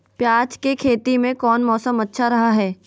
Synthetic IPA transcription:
pjaːt͡ʃkekʰeːt̪imẽkɔːnmɔːsəmɐtːʃʰaɾɐɦaɦɛː

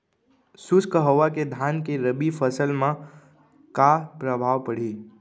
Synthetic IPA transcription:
sʊskəɦəʋaked̪ʱankeɾəbifʰəsəlmã | kapɾəbʱaʋpəɽ̤i

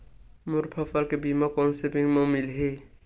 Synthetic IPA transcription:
mʊɾpʰɔfʰaɾkebimakɔnsepiŋmɔmilɦe

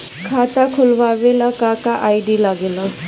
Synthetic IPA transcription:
kʰat̪akʰulbabelakakaʔajɖilaɡelɔ

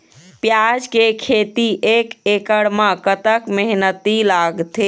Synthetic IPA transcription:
pjad͡ʒkekʰet̪iʔekekəɽmakət̪əkmeɦnət̪ilaɡt̪e

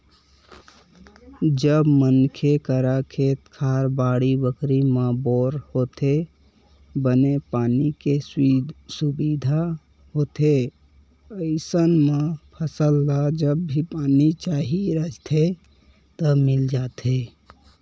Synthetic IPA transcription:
d͡ʒəbmənkʰekəɾakʰeːt̪kʰaːɾbaːɽibəkɾimãboːɾhoːt̪e | bənepaːnike | subid̪ʱa | ɦot̪e | əɪsənmẽpʰəsəlːad͡ʒəbːʱipaːnit͡ʃaːɦiɾəd͡ʒt̪ʰe | t̪əmɪld͡ʒaːt̪e

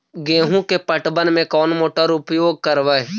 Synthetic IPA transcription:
ɡẽːɦũkepəʈbənmẽkɔːnmoːʈaɾʊpjoːɡ̚kəɾʋəe

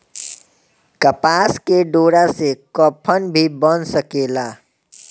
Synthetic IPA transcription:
kəpaskeɖoɽasekəpʰənbʱibənsəkela

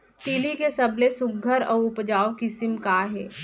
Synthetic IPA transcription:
t̪iːlikesɐblesʊɡʱːəɾɔːɾʊpd͡ʒaːokɪsɪmkaɦɛː

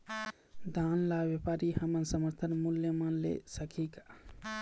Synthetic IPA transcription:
d̪ʱanlabjepaɾihəmənsəməɾt̪ʰənmuljəmənlḛsəkʰika

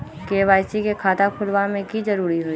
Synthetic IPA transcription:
keːʋaːjsikekʰaːt̪akʰʊlʋamẽkizɐɾuːɾiɦoi

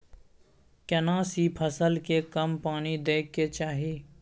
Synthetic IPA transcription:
kənãːsipʰəsəlkekəmpaːnid̪eːk̚ket͡ʃaːɦiː

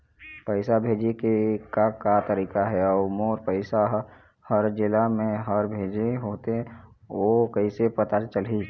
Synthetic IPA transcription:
pəɪsabʱeːd͡ʒekekakat̪əɾiːkaɦɛɔːɾmoːɾpəɪsaɦ | həɾd͡ʒɪlamẽɦəɾbʱeːd͡ʒeɦoːt̪e | okəisepət̪at͡ʃəlɦi

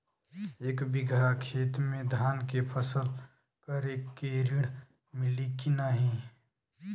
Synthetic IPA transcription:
eːkbɪɡʱakʰeːt̪mẽd̪ʱaːnkepʰəsəl | kəɾeːkːeɾiɽ | mɪlikinaɦĩ

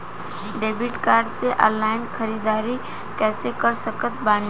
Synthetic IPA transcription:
ɖeːbɪʈkaːɾɖseʔaːlaːɪnxʰəɾiːd̪aːɾi | kɛːsekəɾsəkət̪̚baːn

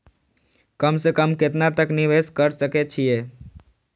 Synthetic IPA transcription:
kəmsekəmket̪nat̪əkniʋeskəɾsəket͡ʃʰije

